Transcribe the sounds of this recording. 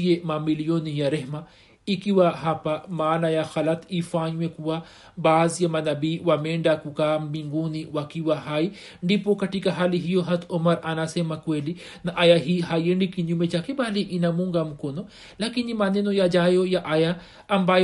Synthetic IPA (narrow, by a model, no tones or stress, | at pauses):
ijemamilijonijaɾeɦma | ikiwaɦapamaːnajaxɐlɐt̪ifaːɲuwekuwa | baːzjamanɐbiwameːɳɖakukaːmbiŋɡuːniwakiwaɦaːi | ɳɖipokɐʈikaɦaːliɦijoɦɐt̪ʰomɐɾanasemakweːli | naʔajaɦiɦaːjjeɳɖikinumet͡ʃakebaːliʔinamũŋɡamkono | lakinimanenojad͡ʒaːjojaʔaja | ɐmbaːj